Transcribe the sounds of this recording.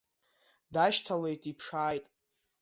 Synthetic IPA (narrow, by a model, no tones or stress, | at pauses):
daʃtʰale̞jtʼipʰʂaːjtʼ